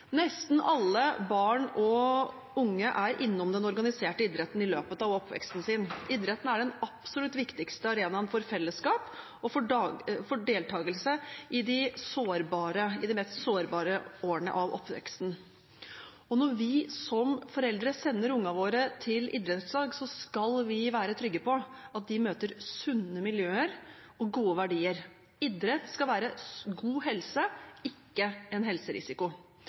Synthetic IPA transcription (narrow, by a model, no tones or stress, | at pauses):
nɛst̪n̩ɑlːəbɑːɳɔ | ʊŋːəʔæɾʔɪnːɔmd̪ɛnɔɾɡɑnɪseːʈəid̪ɾɛt̪nɪløːpət̪ɑʋɔpʰːʋɛ̰kst̪n̩sɪnʔɪd̪ɾɛt̪n̩æɖɛnɑpsɔlʉt̪ːʋɪkt̪ɪkst̪əɑɾeːnɑnfɔɾfɛlːəskɑːp | ɔfɔfɔɖeːlt̪ʰɑːɡəlsəʔɪd̪ɪsoːɾbɑːɾəɪd̪ɪmɛst̪soːɾbɑːɾəoːəɳə̰ʔɑʋɔ̰pːʋɛ̰kst̪n̩ | ɔnɔɾʋɪsɔmfɔɾɛld̪ɾəsɛnːəɾʊŋːɑʋoːɾət̪ʰɪlɪ̰d̪ɾɛt̪sɑːɡsɔskɑlʋɪʋæːɾət̪ʰɾʏɡːəpʰɔɑt̪̚d̪ɪmøːt̪əɾsʉnːəmɪljøːəɾ | ɔɡuːəʋæɖiːəɾ | ɪd̪ɾɛt̪skɑlʋæːɾəɡuːɦɛlsəɪkːəɛnɦɛlsəɾɪ̰sɪkʊ